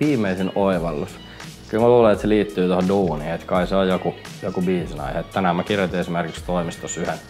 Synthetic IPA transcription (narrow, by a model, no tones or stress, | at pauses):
ʋiːmeisenoiʋɑlːus | kylmæluːleet̪seliːt̪ːyːt̪ohoduːniːet̪kɑiseojjoku | jokubiːsinɑ̰ihet̪t̪ænæhæmækirjot̪iesimerkikst̪oimist̪osyhen